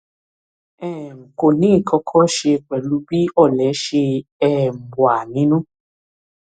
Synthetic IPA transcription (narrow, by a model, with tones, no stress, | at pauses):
ɛ˦˨ŋ̩˨ko˨nĩ˨˦˨kʰɔ˧kʰɔ˦ʃe˧k͡pɛ˨lu˨˦bi˦ɔ˦˨lɛ˨˦ʃe˧ɛ˦˨m̩˨bwa˨nĩ˨˦nũ˦